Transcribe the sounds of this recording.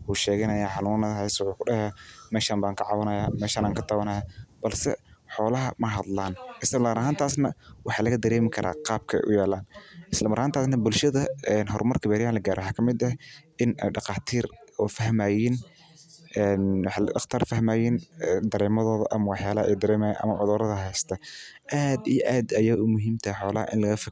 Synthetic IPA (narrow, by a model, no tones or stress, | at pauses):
uːʃɛːɣɛnɐjaːħɑnuːnɐðɐɦɛjswʊħuːkʊɖɐhɛːmɛːʃaːmbaːŋkʰɐʕɑwɐnɐjaːmɛːʃaːnaːŋkʰɐt̪ʰaːwɐnɐjaːb̥ɐlsɛ̰ħɔːlɐɦɐmɐɦɐd̪laːnʔɪslɐlɐmɐɾɐɦaːnt̪ʰaːsnɐwɑħɑːlɐɣɐd̪ɐɾɛːmɪkʰɐɾʔa̰ːqɑːb̚kʰɐɛ̰jʔʊ̰jɛːlaːnʔɪslɐmɐɾhaːnt̪ʰaːsnɐbʊlʃɐðɐɛnɦɔrmɐrkʰɐbɛːɾɪjaːnlɐɡaːɾɛwɑħɑːkʰɐmɪd̪ɐʔɪnɛ̰ɖɑqɑːt̪ʰiːrɔːfɐɦmaːjiːn | ʔɛːnwɑħlɖɑχt̪ʰɐːrfɐhmaːjiːnd̪ɐɾɛːmɐðɔːðɐʔɐmɐwɑħjaːlɐhɐʔɛjd̪ɐɾɛːmajiːnʔɐ̰mɐʕʊðɔːɾɐðɐɦɛjst̪ʰɐʔaːd̪ijʔaːd̪ɐjɐʊmʊɦiːmt̪ʰɐħɔːlɐhɐ̰ʔɪ̰nlɐɣɐfɐ